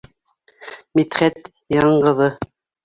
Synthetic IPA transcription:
mit̪χæt̪ | jɑɴɢɤ̆ðɤ

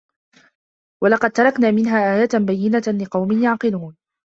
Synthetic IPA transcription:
wɑlɑqɑd̪̚t̪ɑɾˤɑknaːmɪnɦaːʔaːjaːt̪bajːɪnalɪqɑwmɪnjaʕqɨluːn

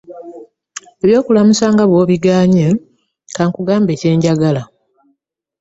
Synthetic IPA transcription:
eβjo̞ːkulamusaːŋɡaβwo̞ːβiɡaːɲe | kaːŋkuɡaːmbe̞ːce̞ːɲɟaɡala

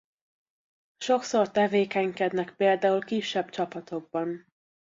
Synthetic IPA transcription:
ʃo̞kso̞rt̪ɛveːkɛŋkɛd̪nɛkpeːld̪aːulkiʃːɛbt͡ʃɒpɒt̪o̞ɡ̚bɒn

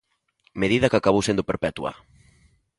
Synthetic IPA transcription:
meðiðɐkakaβowsend̪ʊpeɾpɛt̪uɐ̰

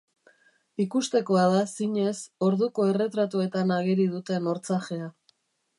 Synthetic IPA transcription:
ikust̪e̞ko̞aðasiɲe̞so̞ɾðuko̞e̞re̞t̪ɾat̪ue̞t̪anaɣ̞eɾiðut̪e̞no̞ɾt͡saxe̞a

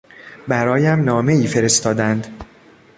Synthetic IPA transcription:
bæɾɒːjæmnɒːme̞iːfe̞ɾe̞st̪ɒːd̪ænd̪

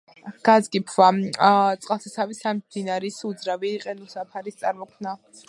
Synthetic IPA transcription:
ɡ̥azɡipʰvat̪sʼqʼalˠsʰasʰavisamd̪̥inaɾisud̪zɾaviːqʼɛnusapʰaɾist̪sʼaɾmɔkʰmna

